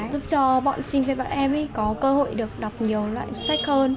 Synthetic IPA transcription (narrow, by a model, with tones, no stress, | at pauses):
zʊ˦˥p̚t͡ɕɔ˧ɓɔ̰ː˧˨nsï˧ŋve˨˩ɓa̰ː˧˨nʔɛ˧mʔə˨˦jkɔ˨˦kəː˧ho̰˧˨jɗɨ˨˩ək̚ɗa˨˩wk͡p̚ɲi˨˩əwla̰ː˧˨jsa˦˥k̟̚həː˧n